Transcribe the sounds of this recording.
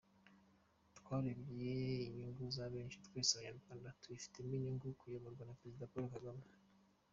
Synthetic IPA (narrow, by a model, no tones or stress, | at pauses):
tkwaːɾiβɡijeiɲuŋɡuzaβe̞ːnʃitwesaɲaɾɡaːndatuifi̥temiɲuŋɡukujoβaɾɡwanapɾezidapoɾokaɡama